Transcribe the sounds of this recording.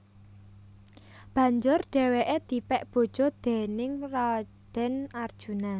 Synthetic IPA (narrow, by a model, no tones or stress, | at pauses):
b̥ä̤ɲd͡ʒʊrɖ̥ɛ̤weʔed̪̥i̤pɛʔb̥o̤d̥ʒ̥ɔ̤d̪̥ɛ̤nɪŋra | d̪̥ɛ̤nard̥ʒ̥ṳna